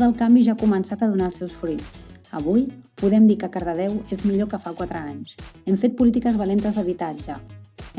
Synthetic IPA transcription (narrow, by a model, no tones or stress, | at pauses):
ðəlˠkambiʒaːkumənsat̪əðunaəlˠsɛwsfɾit͡s | əβujpuðɛmd̪ikəkəɾðəðɛwezmiʎokəfakwat̪ɾəaɲsɛmfet̪̚pulit̪ikəzβəlent̪əzðəβ̞it̪ad͡ʒə